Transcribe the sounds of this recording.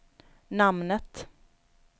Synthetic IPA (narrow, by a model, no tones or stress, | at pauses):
namnət̪